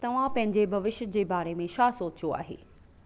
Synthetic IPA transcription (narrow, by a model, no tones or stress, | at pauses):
t̪ɐʋ̤ãpɐ̃ɦɪ̃ɲd͡ʑebʱɐʋɪʃd͡ʑeːbaːɾemẽʃaːsoːt͡ɕijoa̰ːɦḛː